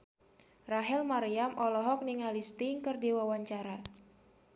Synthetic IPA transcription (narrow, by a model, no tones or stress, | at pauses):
raɦɛlmaɾiamʔɔlɔɦɔk̚niŋalist̪iŋkərdiwawaɲt͡ʃaɾa